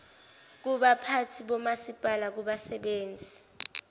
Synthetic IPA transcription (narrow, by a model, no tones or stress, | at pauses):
k̬uɓapʰatʰiɓɔmasipʼalak̬uɓasɛɓeːnd͡zʱi